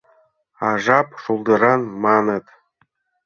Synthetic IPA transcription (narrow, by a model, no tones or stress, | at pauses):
ɑʐɑpʂulˠd̪ɤ̆ɾɑnmɑnɤ̆t̪